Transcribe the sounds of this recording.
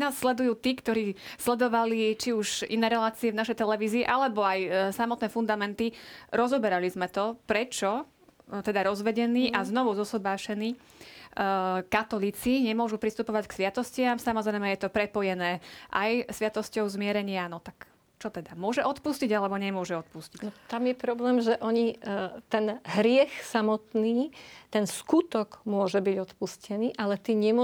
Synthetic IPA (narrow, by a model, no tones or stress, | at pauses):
naːsːlɛd̪ujuːt̪iːkt̪ɔɾiːslɛd̪ɔʋalit͡ʃiuʒḭnɛːɾɛlaːt͡siɛvnaʃɛjt̪ɛlɛʋiːziːʔalɛbɔajsamɔt̪nɛːfund̪amɛnt̪iɾɔzɔbɛɾalizmɛt̪ɔpɾɛt͡ʃɔ | t̪ɛd̪aɾɔzʋɛɟɛniːʔaznɔʋuzɔsɔbaːʃɛniː | kat̪ɔliːt͡siɲɛmʊɔʒupɾist̪upɔʋacksʋɪat̪ɔscɪamsamɔzɾɛjmɛjɛt̪ɔpɾɛpɔjɛnɛːʔajsʋɪat̪ɔscɔʊzmɪɛɾɛɲɪanɔt̪ak | t͡ʃɔt̪ɛd̪amʊɔʒɛʔɔt̪pusciɟalɛbɔɲɛmʊɔʒɛɔt̪̚puscicnɔt̪amjɛpɾɔblɛːmʒɛʔɔɲit̪ɛnɦɾɪɛxsamɔt̪niːt̪ɛnskut̪ɔɡmʊɔʒɛbiɟɔt̪puscɛniːʔalɛt̪iːɲɛmʊ